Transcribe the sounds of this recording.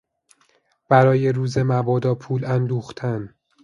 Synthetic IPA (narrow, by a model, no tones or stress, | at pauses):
b̥æɾɒːje̞ɾuːze̞mævɒːd̪ɒːpʰuːlænd̪uːxt̪ʰæn